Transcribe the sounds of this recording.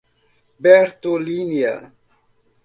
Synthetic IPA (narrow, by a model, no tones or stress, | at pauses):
bɛɾt̪olinia̰